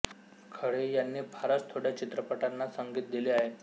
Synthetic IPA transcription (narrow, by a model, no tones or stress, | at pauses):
kʰəɽejanːiːbʱaɾət͡st̪ʰoɽ̤jat͡ɕit̪ɾəpəʈanːasəŋɡiːt̪̚d̪ileaɦe